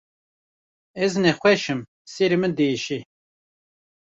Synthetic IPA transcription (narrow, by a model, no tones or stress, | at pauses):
ɛznɛxʷɛʃɨm | seɾimɨnd̪eːʃi